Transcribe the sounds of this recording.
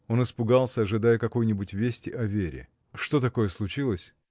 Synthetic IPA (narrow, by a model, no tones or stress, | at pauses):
o̞nɨspʊɡalˠsʲəɐʐɨd̪ajəkɐko̞jnʲɪbʊtʲvʲesʲtʲɪʔɐvʲeɾʲɪ̰ | ʂt̪o̞t̪ɐko̞jəslˠʊt͡ɕilˠəsʲ